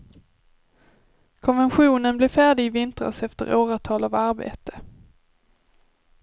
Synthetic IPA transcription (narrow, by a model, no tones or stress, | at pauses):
kʰɔnvɛnɧuːnənblɪfæːɖɪɪvɪnt̪ɾa̰sɛft̪ə̰ɾʔoːɾat̪ʰɑːlavaɾbḛːt̪ə̥